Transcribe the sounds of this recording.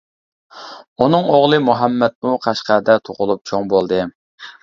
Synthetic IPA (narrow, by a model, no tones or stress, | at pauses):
unɨŋoʁlˠɨmuɦɛmːɛt̪̚muqʰæʃqæd̪ɛt̪ʰoʁʊlˠup̚t͡ʃʰoŋbolˠd̪ɨ